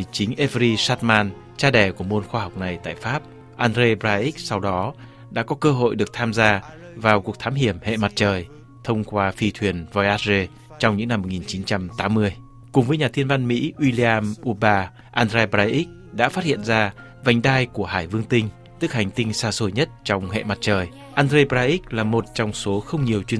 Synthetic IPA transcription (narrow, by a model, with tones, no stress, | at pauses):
t͡ɕï˨˦ŋ̟ʔe˦˥vɾi˧sa˦˥t̚maː˧n | t͡ɕaː˧ɗɛ˧˩ku˧˩əmo˧nxwaː˧ha˨˩wk͡p̚na˨˩jt̪a̰ː˧˨jfaː˦˥p̚ | ʔaː˧ndze˧ɓɾaː˧ʔi˦˥k̚sa˧wɗɔ˨˦ | ɗa̰ː˧˥kɔ˨˦kəː˧ɦo̰˧˨jɗɨ˨˩ək̚t̪ʰaː˧mzaː˧ | vaː˨˩wku˨˩ək̚t̪ʰaː˨˦mɦi˧˩əmhḛ˧˨ma˨˩t̚t͡ɕəː˨˩j | t̪ʰə˧wŋ͡mkwaː˧fi˧t̪ʰwi˨˩ənvɔ˧jʔaː˦˥t̚ze˧ | t͡ɕɔ˧wŋ͡mɲɨ̰˧˥ŋna˧mːo˨˩t̚ŋi˨˩nt͡ɕi˨˦nt͡ɕa˧mt̪aː˨˦mːɨ˧əj | kʊ˨˩ŋ͡mvəː˨˦jɲaː˨˩t̪ʰi˧ənva˧nmḭ˧˥ʔwi˧li˧aː˧mʔu˧ɓaː˧ | ʔaː˧ndze˧bɾaː˧ʔi˦˥k̚ | ɗa̰ː˧˥faː˦˥t̚hḭ˧˨ənzaː˧ | va˨˩jŋ̟ɗ̪aː˧jku˧˩əhaː˧˩jvɨ˧əŋt̪ï˧ŋ̟ | t̪ɨ˦˥k̚ha˨˩jŋ̟t̪ï˧ŋ̟saː˧so˧˩jɲə˦˥t̚t͡ɕɔ˧wŋ͡mɦḛ˧˨ma˨˩t̚t͡ɕəː˨˩j | ʔaː˧ndɾe˧bɾaː˧ʔi˦˥k̚laː˨˩mo˨˩t̚t͡ɕɔ˧wŋ͡mso˨˦xə˧wŋ͡mɲi˨˩əwt͡ɕwi˧ə